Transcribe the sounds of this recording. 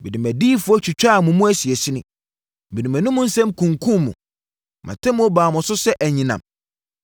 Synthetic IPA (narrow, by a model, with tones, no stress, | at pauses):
bi˨nĩ˨mæ̃˨diː˦fʊ˦ɔ˦t͡ɕʰᶣi˨t͡ɕᶣa˦˨mũ˨mʊ̃˦æ˦si˨ɛ˨si˦nʊ̃˦ | bi˨nĩ˨mæ̃˨nʊ̃˦mʊ̃˦n̩˦sɛ̃˦mkʰũ˨ŋkʰũ˦mmũ˨ | mʔã̰˨tʰɛ̃˦m̃˦ɔ˦baː˨mʊ̃˨sʊ˦sɛ˦ʔæ˨ɲĩ˨nã̰˨m